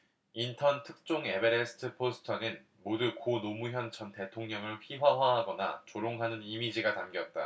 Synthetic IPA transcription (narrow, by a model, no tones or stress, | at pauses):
intʰʌntʰɯk̚t͡ɕ͈oŋe̞beɾesʰɯ̥tʰɯpʰosʰɯ̥tʰʌnɯn | modukonomuçjʌnt͡ɕʰʌnte̞tʰoŋɲʌŋɯɭɸʰiɦwaɦwaɦaɡʌna̰t͡ɕoɾoŋɦanɯnimid͡ʑiɡatamɡjʌt̚t͈a